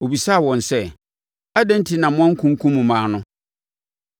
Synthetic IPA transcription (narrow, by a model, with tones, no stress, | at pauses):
o˨bi˨sa˦˨wɔ̃˨nsɛ˦ | a˦dɛ̃˦n̩˦tʰi˨nã˨mʊ̃˦ã˦ŋ̩˦kʰũ˦ŋ˦kʰũ˦mũ˨mãː˨˦nʊ̃˦